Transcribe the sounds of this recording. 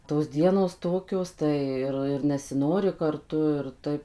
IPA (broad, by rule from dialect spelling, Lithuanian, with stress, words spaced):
toːs ˈdʲiɛnoːs ˈtoːkʲoːs ˈtɐɪ ɪr ɪr nʲɛsʲɪˈnoːrʲɪ kɐrˈtʊ ɪr ˈtɐɪp